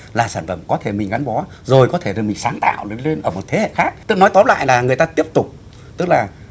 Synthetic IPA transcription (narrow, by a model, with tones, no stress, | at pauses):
laː˨˩saː˧˩nfə˧˩mkɔ˨˦t̪ʰe˧˩mï˨˩ŋ̟ɣa˨˦nɓɔ˨˦ | zo˨˩jkɔ˨˦t̪ʰe˧˩zə˨˩mï˨˩ŋ̟saː˨˦ŋt̪a̰ː˧˨wɗe˨˩˦le˧nʔəː˧˩mo˨˩t̪ʰe˨˦hḛ˧˨xaː˦˥k̚t̪ɨ˦˥k̚nɔ˨˦jt̪o˨˦˥t̚la̰ː˧˨jlaː˨˩ŋɨ˨˩əjt̪aː˧t̪i˦˥əp̚t̪ʊ˨˩k͡p̚ | t̪ɨ˦˥k̚laː˨˩